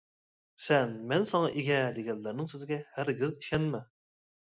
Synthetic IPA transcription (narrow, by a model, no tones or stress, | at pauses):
sɛnmɛnsɑŋɑʔeɡʲɛd̪eɡʲɛlːæɾnɪŋsøzɡʲɛhæɾɡʲɪziʃɛnmɛ